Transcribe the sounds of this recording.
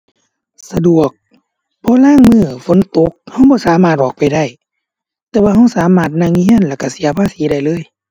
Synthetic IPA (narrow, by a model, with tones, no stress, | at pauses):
sa˧du˨˩ək̚ | pʰɔː˧˦laː˧˥˨ŋmɯː˧˩fo˨˦nt̪o˧˦k̚ha˧˩wbɔː˧˦saː˨˦maː˧˩t̪̚ʔɔː˨˩k̚pa˨˩jda˧˩j | t̪ɛː˧˦waː˧ɦa˧˥˩wsaː˨˦maː˧˩t̪̚na˧˩˨ŋi˧i˧˥˨ə˨nlɛː˧˩ka˧˩si˨˦ɐpʰaː˧˥˨siː˨˦ɾa˧˩jlɤː˧˥˨j